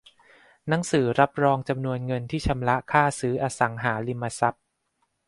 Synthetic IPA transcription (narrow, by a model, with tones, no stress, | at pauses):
na˩˦ŋsɯː˩˦ɾa˦˥p̚ɾɔː˧ŋt͡ɕa˧mnu˧ənŋɤ˧nt̪ʰiː˥˩t͡ɕʰa˧mla˦˥ʔkʰaː˥˩sɯː˦˥ʔaː˧sa˩˦ŋɦaː˩˦li˧mːaː˧sa˦˥p̚